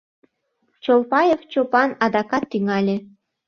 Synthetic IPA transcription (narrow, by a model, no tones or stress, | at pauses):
t͡ɕolpɑjeft͡ɕopɑnɑd̪ɑkɑt̪ːyŋɑlʲe